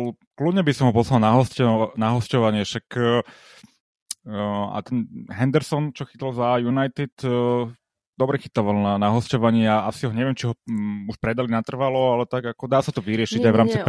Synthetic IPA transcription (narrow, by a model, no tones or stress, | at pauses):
l | klud̪ɲɛbisɔmɦɔpɔslalnaɦɔscnaɦɔscɔʋaɲɪɛʃakː | a̰t̪ɛnɦɛnd̪ɛɾsɔnt͡ʃɔxit̪lzajunajt̪it̪ | d̪ɔbɾɛxit̪aʋalnanaɦɔscɔʋaɲɪɛaasiɦɔɲɛʋɪɛmt͡ʃiɦɔuʃpɾɛd̪alinat̪r̩ʋalɔalɛt̪aɡakɔd̪aːsat̪ɔʋiɾɪɛʃiɟajʋɾaːmt͡si